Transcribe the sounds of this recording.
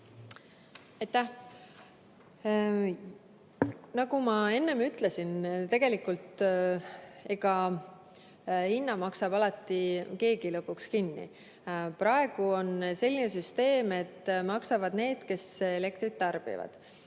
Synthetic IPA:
ɑjt̪ːæh | nɑɡumɑe̞nːe̞myt̪ˑle̞sint̪e̞ɡ̥e̞likult̪ | e̞ɡɑ | hinːɑmɑksɑbɑlɑt̪ːˑike̞ːɡ̥ilɤpːˑukskinːḭ | prɑe̞ɡ̥uo̞nse̞lʲːinesyst̪e̞ːme̞t̪ːˑmɑksɑvɑd̪̥ne̞ːd̪̥ke̞sele̞kt̪ɾrit̪ːɑrb̥ḭvɑ̰d̪̥

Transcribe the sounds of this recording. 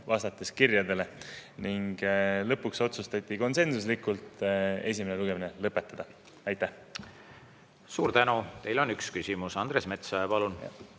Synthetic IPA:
vɑst̪ɑt̪ːˑeskirjɑd̪e̞le̞niŋɡ̥lɤ̞pːukso̞t̪sust̪ɑt̪ʲːˑiko̞nse̞nsus̬likːˑult̪e̞s̬ʲimeneluɡ̥e̞minelɤpːe̞t̪ːˑɑd̪̥ɑ | ɑjt̪ːˑæh | suːɾt̪ænut̪e̞jlo̞nykskysʲimusɑnd̪ɾe̞sme̞t̪soɑpɑlun

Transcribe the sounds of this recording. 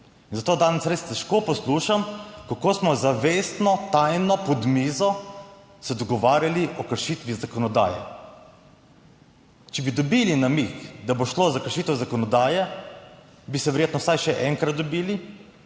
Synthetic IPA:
inzat̪oːd̪aːnɛsɾest̪ɛʃkoːpɔsluːʃamkakoːsmɔzaʋest̪nɔt̪ajnɔpɔd̪miːzɔ | sɛd̪ɔɡɔʋaːɾjaliʔɔkəɾʃit̪ʋizakɔnɔd̪a̰ːjɛ̰ | t͡ʃɛbid̪ɔbilinamixd̪aboʃloːzakəɾʃit̪əwzakɔnɔd̪aːjɛ | bisɛʋɛɾjeːt̪nɔwsajʃɛʔɛŋkɾat̪̚d̪ɔbiːli

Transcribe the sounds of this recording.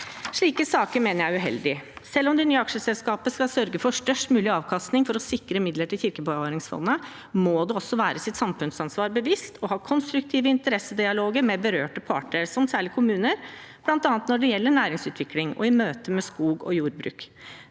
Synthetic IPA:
ʂɭiːkəsɑːkəɾmeːnəɾjæɪʉɦɛ̰ld̪ɪsɛlːɔmd̪ɛnyːɑkʂəsɛlskɑːpəskɑlsœɾɡəfɔʂʈœʂʈmʉːlɪɑːʋkʰɑst̪nɪŋfɔɾɔsɪkɾəmɪd̪ləʈɪlçɪɾkəbɑʋɑːɾɪŋsfɔ̰nːə | moːd̪ɛɔsːɔʋæːɾəsɪt̪sɑmfʉnsɑnsʋɑːɾbəʋɪst̪ʰɔhɑːkʰɔnst̪ɾʉk̚t̪ʰiːʋəɪnt̪əɾɛsːəd̪ɪɑloːɡəɾmɛbəɾøːʈəpʰɑ̰ːʈɳəɾsɔmsæːɭɪkʰʊmʉːnəɾ | b̥lɑnt̪ɑːnət̪nɔɖɛjɛlːəɳæːɾɪŋsʉːt̪ʰʋɪklɪŋɔ̰ɪmøːt̪əmɛskuːɡɔ̰juːɾbɾʉ̰ːk

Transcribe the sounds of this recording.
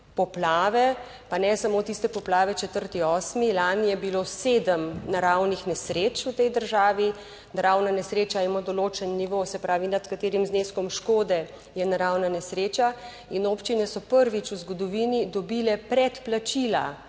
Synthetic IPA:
pɔplaːʋɛ | panɛsamot̪ist̪ɛpɔplaːʋɛt͡ʃɛt̪əɾt̪iɔːsmilaːnijɛbiloseːd̪əmnaɾawnixnɛsɾeːt͡ʃut̪ɛjd̪əɾʒaːʋi | naɾawnanɛsɾeːt͡ʃaimod̪ɔloːt͡ʃɛnːiʋosɛpɾaːʋinat̪kat̪eːɾimzneskɔmʃkoːd̪ɛ | jɛnaɾawnanɛsɾet͡ʃa | inoːpt͡ʃinɛsɔpəɾʋit͡ʃuzɡɔd̪ɔʋiːnid̪ɔbilɛpɾɛt̪plat͡ʃila̰

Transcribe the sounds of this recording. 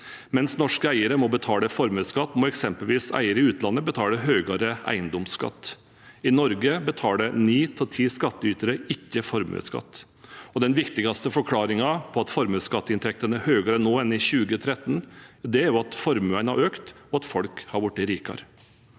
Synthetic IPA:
mɛnsnɔʂkəæɪəɾəmɔbət̪ʰɑːləfɔɾmʉːskɑt̪ːmɔːɛksɛmpəlʋiːsæ̰ɪəɾəɪʉːt̪lɑnːəbət̪ʰɑːləɦøːɡɑɾəæ̰ɪənd̪ɔmskɑ̰t̪ː | ɪnɔɾɡəbət̪ʰɑːləniːt̪ʰɪlt̪ʰiːskɑt̪ːəyːt̪əɾəɪkːəfɔɾmʉ̰skɑ̰t̪ː | ɔd̪ɛnʋɪkt̪ɪɡɑst̪əfɔɾkʰlɑːɾɪŋɑpʰɔɑt̪fɔɾmʉːskɑt̪ːəɪnt̪ʰɛk̚t̪ənəhøːɡɑɾənoːɛnɪçʉːɡət̪ʰɾɛt̪ːnd̪ɛæɾjuɑt̪fɔɾmʉænɑɾøːkt̪ɔɑt̪fɔlkhɑɾʋʊʈ̚d̪ɛɾiːkɑ̰ɾ

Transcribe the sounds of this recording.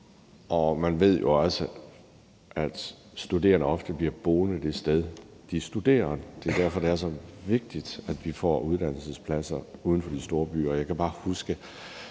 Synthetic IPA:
ʔɒ̽mænʋe̝ð̞̰ˠjo̝ɒ̽lsə | ʔæd̥ | sd̥ud̥e̝̰ːɐnəɒ̽fd̥əb̥liɐb̥o̝ːnəd̥e̝sd̥eð̞ˠd̥isd̥ud̥e̝̰ːɐnd̥e̝d̥æɐfɒ̽d̥e̝æɐs̬ɒ̽ʋe̝ɡ̥̚d̥id̥æd̥ʋifɒ̰ːuð̞ˠd̥æn̰l̩səspʰlæsɐuːð̞ˠn̩fɒ̽d̥isd̥o̝ːɐb̥y̰ːɒjɑ̈ɪkʰæb̥ɑ̈ːhusɡ̥ə

